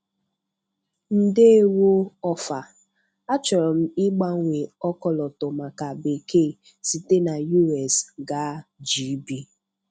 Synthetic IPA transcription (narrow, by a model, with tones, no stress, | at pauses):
n̩˨de˦e˦wo˦ɔ˦fa˨ | a˦t͡ʃɔ˨ɾɔ˨m̩˦ɪ˦ɡ͡ba˦ŋ˦ŋʷe˨ɔ˦kɔ˨lɔ˨tʊ˨ma˨ka˨be˨ke˦˨ | si˨te˦na˨ju˦ɛ˨sɡa˨˦d͡ʒi˨˦bi˦